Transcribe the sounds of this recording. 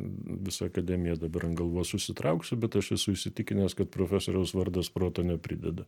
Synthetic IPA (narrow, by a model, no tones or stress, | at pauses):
ʋʲɪsɐɐkɐd̪ʲɛmʲɪjɛd̪ɐbɐɾɐnɡɐlˠʋoːjsʊsʲɪt̪ɾɐʊksʲʊbʲɛt̪ɐʃjɛsʊɪʃʲsʲɪt̪ʲɪkʲɪnʲeːskɐt̪̚pɾoːfʲæsoːɾʲɛʊsʋɐrd̪ɐspɾoːt̪onʲɛpʲɾʲɪ̰d̪ʲɛd̪ɐ